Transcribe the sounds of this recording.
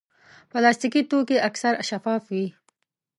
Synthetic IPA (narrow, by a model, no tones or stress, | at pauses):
pəlaːst̪ikit̪ukeʔɐksɐɾʃɐfɑːfwi